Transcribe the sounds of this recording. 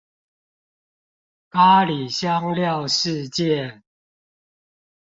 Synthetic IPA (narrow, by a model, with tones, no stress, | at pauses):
ka˦li˨˩ɕjɑ˦ŋljɑ˥˨ʊʂɻ̩˥˧t͡ɕjɛ˥˨